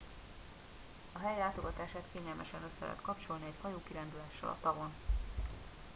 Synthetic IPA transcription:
ɒɦɛjlaːt̪o̞ɡɒt̪aːʃaːt̪keːɲɛlmɛʃɛnø̞sːɛlʔɛ̰ːt̪kɒpt͡ʃo̞lniɛchɒjoːkiɾɛnd̪ylæːʃːɛ̰lɒ̰t̪ɒɡo̞n

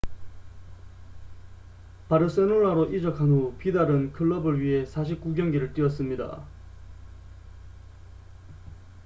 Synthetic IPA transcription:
paɾɯs͈enuɭaɾoʔid͡ʑʌkʰanɦupidaɾɯnkʰɯɭːʌbɯɭɥiɦe̞sʰaɕ̬ʰip̚k͈uɡjʌŋɡiɾɯɭt͈iʌs̬͈ɯmɲida̰

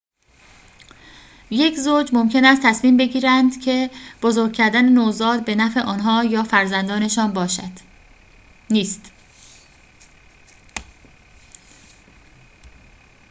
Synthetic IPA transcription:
je̞cʰzoːd͡ʒmomcʰe̞næst̪ʰæsmiːmbe̞ɟiːɾænd̪̥cʰe̞b̥ozoɾɡ̚cʰːæɾd̪ænenoːzɒːɾbe̞næfe̞ʔɒːnɦɒːjɒːfæɾzænd̪ɒːne̞ʃɒːnbɒːʃæd̪̥ | niːst̪

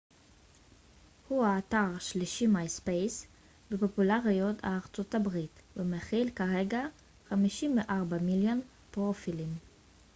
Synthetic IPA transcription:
huaːtaʁʃliʃimajspejs | bepopulaʁijo̞tʰa̰ːʁt͡so̞tabʁitvemeχilkaʁeɡa | χamiʃimveʔaʁbamiljon | pʁofilim

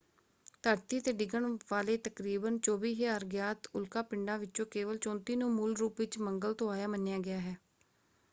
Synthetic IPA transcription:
t̪əɾt̪iːt̪eːɖɪɡəɳʋaːleːt̪əkɾiːbənt͡ʃoːbiːɦeːaːɾɡjaːt̪ʊlkaːpɪɳɖãːʋɪtːt͡ʃõːkeːʋəlt͡ʃɔ̃ːnt̪iːnũːmuːlɾuːpʋɪt͡ʃməŋɡəlt̪õːaːjaːmənːjaːɡɪjaːɦɛː

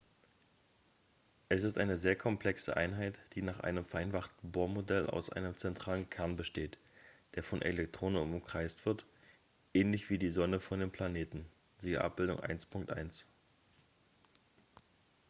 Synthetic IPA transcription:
ʔɛsɪstʔaɪnəzeːɐkʰɔmpl̥ɛksə̰ʔaɪnɦaɪtd̥iːnaːχʔa̰ɪnəmfɛɐʔaɪnfaχtn̩boːɐmodɛlʔa̰ʊsʔa̰ɪnəmt͡sɛntʁ̥aːlənkʰɛɐnbəʃteːt | d̥eːɐfɔnʔḛlɛktʁ̥oːnənʊmʊmkʁ̥aɪstv̥ɪɐt | ʔɛːnlɪçv̥iːdiːzɔnəfɔndeːmpʰl̥aneːtn̩ | ziːɡɐ̰ʔa̰p̚b̥ɪldʊ̰ŋʔa̰ɪnspʰʊŋk̚tʔa̰ɪns

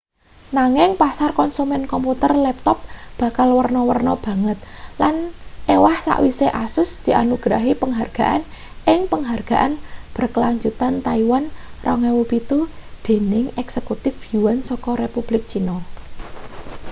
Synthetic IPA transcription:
naŋɪŋpasarkɔnsumɛnkɔmput̪ərlɛp̚t̪ɔp̚b̥a̤kalwərnɔwərnɔb̥ä̤ŋət̪̚lanʔewahsa̰ʔwiseʔasʊsd̪̥i̤ʔa̰nuɡ̥ɾaɦipəŋɦarɡ̥a̤ʔa̰n | ʔɪŋpəŋɦarɡ̥a̤ʔanb̥ərkəlaɲd͡ʒut̪ant̪aiwanrʔɔŋewupit̪ud̪̥e̤nɪŋɛksekut̪ɪfuwansɔkɔɾepub̥lɪk̚t͡ʃinɔ

